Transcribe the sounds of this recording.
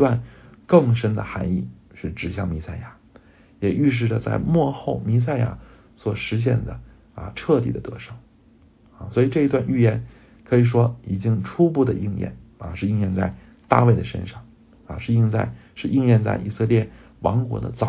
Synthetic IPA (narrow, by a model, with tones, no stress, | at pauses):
wa˥˧nkɤ˥˩ŋʂə˥nd̪ə̰˨xa˧˥ni˥˩ | ʂɻ̩˥˩ʈ͡ʂɻ̩˨˩ɕjɑ˥˩ŋmi˧˥sa˥˩ɪja˨˧˩ | jɛ˨˩ʔy˥˧ʂ̬ɻ̩˥˩ʈ͡ʂə˩t͡sa̰˥˧ɪmwɔ˥˧xo˥˩ʊmi˧˥s̬a˥˧ɪja̰˧˥ | swɔ˨˩ʂɻ̩˧˥ɕ̬jɛ̰˥˩nd̪ə˩ | ɐ̰˧ʈ͡ʂʰɤ˥˧t̪i˨˩d̪ə̰˦t̪ɤ̰˧˥ʂɤ˥˩˦ŋ | a˧˩swɔ˧˥i˨˩ʈ͡ʂɤ˥˩i˧˥t̪wa˥˧ny˥˩jɛ˧˥n | kʰɤ˧˥i˨˩ʂ̬wɔ˥i˨˩t͡ɕi˥ŋʈ͡ʂʰu˥pu˥˩d̪ə˩ʔi˥˧ŋjɛ̰˥˩nɐ̰˧ʂɻ̩˥˧i˥˧ŋjɛ˥˧nt͡sa˥˩ɪ | t̪a̰˥˧we˥˩ɪd̪ə˩ʂə̰˥nʂɑ˥˩ŋ | a̰˧ʂɻ̩˥˧i˥˧ŋt͡sa̰˥˧ɪʂɻ̩˥˧ʔi˥˧ŋjɛ˥˧nt͡sa̰˥˩ɪʔḭ˨˩sɤ˥˧ljɛ˥˩ | wɑ̰˧˥ŋkwɔ̰˧˥d̪ə̰˧t͡sɑ˨˩